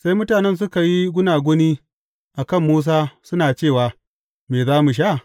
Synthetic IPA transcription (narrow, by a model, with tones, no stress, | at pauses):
sa˦jmʊ˦taː˨nɛ˦ns̬ʊ˦ka˨ji˦ɡʷʊ˦naː˨ɡʷʊ˦niː˦ | ʔa˨kɐ˦˨mːuː˦s̬aː˦sʊ˦naː˨t͡ʃeː˦˨waː˨ | meː˨zaː˦mu˨ʃ̬a˦˨